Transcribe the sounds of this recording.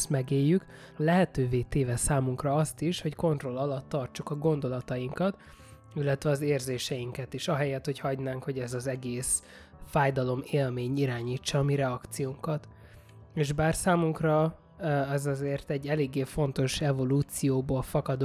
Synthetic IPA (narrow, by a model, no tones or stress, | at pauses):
smɛɡeːjːyk | lɛɦɛt̪øːveːt̪eːvɛsaːmuŋkrɒɒst̪iʃho̞cko̞nt̪ro̞lɒlɒt̪ːɒrt͡ʃukɒɡo̞nd̪o̞lɒt̪ɒjiŋkɒt̪ | ilːɛt̪ʋɛɒzeːrzeːʃɛjiŋkɛt̪iʃɒɦɛjɛt̪ho̞chɒɟnaːŋkho̞ɟɛzɒzɛɡeːs | faːjd̪ɒlo̞meːlmeːɲiɾaːɲiːt͡ʃːɒːmiɾɛɒkt̪sijoŋkɒt̪ | eːʒbaːrsaːmuŋkrɒ | ɛzɒzeːrt̪ɛɟːɛleːɡːeːfo̞nt̪o̞ʃɛvo̞luːt̪sijoːboːlfɒkɒd̪